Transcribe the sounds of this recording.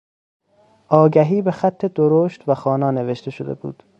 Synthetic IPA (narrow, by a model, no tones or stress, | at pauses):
ʔɒːɡæɦiːbe̞xæt̪ʰːe̞d̪oɾoːʃt̪væxɒːnɒːneve̞ʃt̪ʰe̞ʃod̪ebṵːd̪̥